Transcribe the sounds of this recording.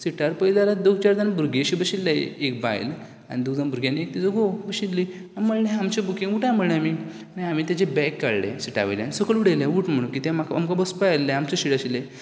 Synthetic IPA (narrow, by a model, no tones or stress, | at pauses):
siʈaɾpəjlalad̪oɡt͡ɕaɾd̪anbuɾɡeɕibəɕilːaek̚ba̰j̰l | a̰nid̪ud̪anbuɾɡjanːek̚t̪id͡zoɡobəɕit̪li | aməɭnẽamt͡ɕabukĩŋɡuʈãjm̤əɭnẽami | aniamit̪jat͡ɕebɛkːaɭlḛ̃siʈa̰ʋḛlja̰nisəkəluɽelẽuʈm̤əɽ̃ũkit̪ẽmakamkabəspalːeamt͡ɕaɕiʈaɕile